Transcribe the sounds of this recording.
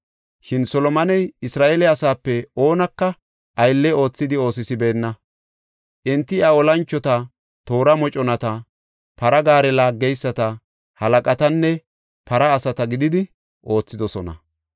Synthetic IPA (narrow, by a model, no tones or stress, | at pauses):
ʃɪnsɔlɔmɐnɛjɪsɾaːʔelɛɐsaːpːɛo̞ːnɐkːɐ | ʔɐjlːɛo̞ːt͡sːɪd̪ɪo̞ːsɪsɪbe̞ːnːɐ | ʔɪnt̪ːɪɐɔlɐnt͡ʃːɔt̪ɐ | t̪o̞ːɾɐmɔt͡ʃʼɔnɐt̪ɐ | pɐɾɐɡaːɾɛlaːɡːɛjsːɐt̪ɐ | hɐlɐkʼɐt̪ɐnːɛ | pɐɾɐːsɐt̪ɐɡɪd̪ɪd̪ɪ | ʔo̞ːt͡sːɪd̪ɔsɔnɐ̰